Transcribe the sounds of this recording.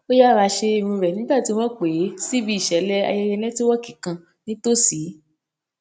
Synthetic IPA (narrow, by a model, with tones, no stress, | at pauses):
o˦ja˦˨ɾa˧ʃe˧i˧˨ɾũ˧ɾɛ˨nĩ˨˦ba˦˨ti˨˦w̃ɔ̃˦k͡pe˨˦si˦bi˦i˦˨ʃɛ˨˦lɛ˦a̰˧jɛ˧jɛ˧nɛ̃˦ti˦wɔ̃˦ki˦˨kã˨ | nĩ˨˦to˦˨si˨˦